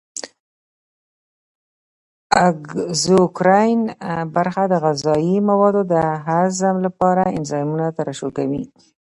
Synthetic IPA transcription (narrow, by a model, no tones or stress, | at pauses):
aɡzokɾɑjnbaɾxad̪əɣazɑimawɑd̪od̪əɦazamlapɑɾaɪ̰nzɑjmunat̪aɾaʃokawḭ